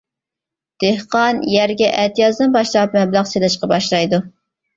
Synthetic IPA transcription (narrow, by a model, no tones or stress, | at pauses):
d̪̥ehqɑnjæɾɡʲɛʔɛt̪ʰijɑzd̪ɨnbɑʃlˠɑp̚mɛblæχselɨʃqɑbɑʃlˠɑjd̪u